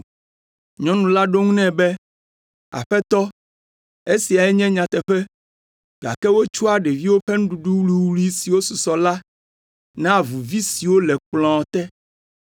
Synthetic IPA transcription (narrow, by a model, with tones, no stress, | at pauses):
ɲɔ̃˦nũ˨la˦ɖo˦ŋũ˦nɛ̃˦bɛ˦ | a̰˨ɸɛ˦t̪ɔ˦ | e˦si˨a˨ɛ˦ɲɛ̃˦ɲã˨t̪ɛ˨ɸɛ˦ | ɡ̥a̰˨kɛ˦wo˦t͡ʃu˦a˨ɖɛ˨vi˦wo˦ɸɛ˦nũ˦ɖu˨ɖu˦wli˦wli˦si˨wo˦su˨sɔ˨la˦ | nã˦˨vu˨vi˦si˨wo˦lɛ˨k͡plɔ̃˨t̪ɛ˦